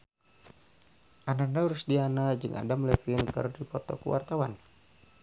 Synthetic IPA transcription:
ʔananauɾusdianad͡ʒɨŋʔa̰damlɛfiɪnkɨ̰rdipɔt̪ɔ̰kuwa̰rt̪awan

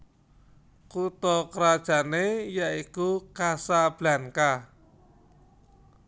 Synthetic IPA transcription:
kut̪ɔkəɾad̥ʒ̥a̤nejaikukasab̥la̤ŋka

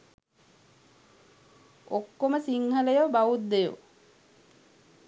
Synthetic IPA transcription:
okːoməsiŋhələjobaʋut̪̚d̪ejo̰

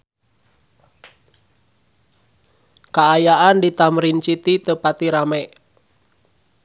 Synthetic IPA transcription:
kaːjaʔandit̪amɾint͡ʃit̪it̪əpat̪iɾamɛʔ

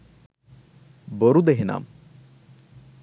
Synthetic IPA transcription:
boɾud̪eɦena̰ːm

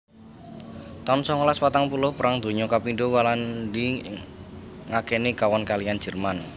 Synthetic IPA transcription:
t̪aʊnsɔŋɔlaswat̪aŋpulʊhpəɾaŋd̪o̤ɲɔkapinɖowalandi | ŋakɛnikawɔnkalian̥d͡ʒ̥ə̤rman

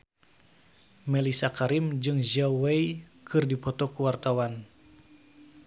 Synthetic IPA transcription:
mɛlisakaɾimd͡ʒɨŋd͡ʒawɛikɨrdipɔt̪ɔkuwart̪awan

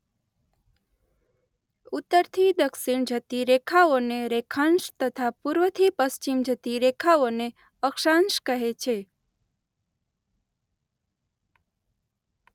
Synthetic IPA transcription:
ut̪ːəɾt̪ʰid̪əkʃiɳd͡ʒʱət̪iɾekʰaoneɾekʰãnʃt̪ət̪ʰapuɾʋət̪ʰipəst͡ʃimd͡ʒʱət̪iɾekʰaone | əkʃanʃkəɦet͡ʃʰe

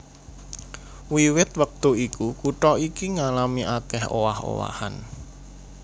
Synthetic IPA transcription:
wiwɪt̪wək̚t̪uikukuʈɔikiŋalamiʔakɛho̰waho̰wa̰ha̰n

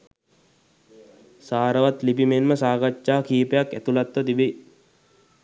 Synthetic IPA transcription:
saːɾəʋat̪lipimenməsaːɡat͡ʃːaːkiːpəjakːæt̪ulat̪ʋət̪ibe

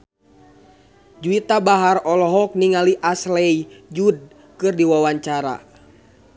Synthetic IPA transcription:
d͡ʒuit̪abaɦarɔlɔɦɔk̚niŋaliʔaslɛid͡ʒud̚ | kɨrdiwawaɲt͡ʃaɾa̰

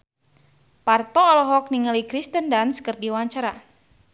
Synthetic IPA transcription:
part̪ɔːlɔɦɔk̚niŋəlikɾist̪əndanskərdiwaɲt͡ʃaɾa

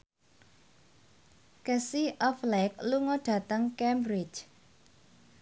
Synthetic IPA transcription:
kəsiʔɔflɛk̚luŋɔɖ̥a̤t̪əŋkɛmbɾɪt͡ʃ

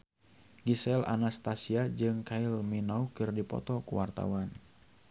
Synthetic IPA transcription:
ɡisɛlʔa̰nast̪asiad͡ʒɨŋkailminaukɨrdipɔ̰t̪ɔkuwart̪a̰wan

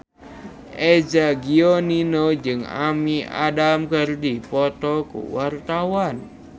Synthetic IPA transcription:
ʔed͡ʒaɡioninod͡ʒɨŋa̰mia̰damkərdipɔt̪ɔkṵwart̪awan

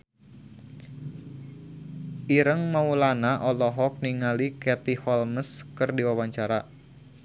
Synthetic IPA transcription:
iɾəŋmaulanaʔɔlɔɦɔk̚niŋalikɛt̪ihɔlməskərdiwawaɲt͡ʃaɾa

